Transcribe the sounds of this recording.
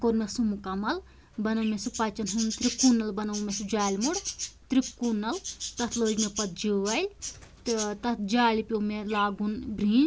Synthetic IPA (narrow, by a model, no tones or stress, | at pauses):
koɾmesumukɐmɐl | bɐnɐwmesupɐt͡ʃɐnɦunt̪ɾikunːɐlbɐnɐwmesud͡ʒaːlʲmuɽt̪ɾikunːɐlt̪ɐt̪ʰloːd͡ʒmepɐt̪̚d͡ʒiʋɐlʲt̪ɨt̪ɐt̪̚ʰd͡ʒaːlipʲomelaːɡunbɾiːn